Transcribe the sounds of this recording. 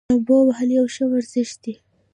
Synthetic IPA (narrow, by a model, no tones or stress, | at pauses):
abowaɦalijawʃəwaɾzɪʃd̪̥i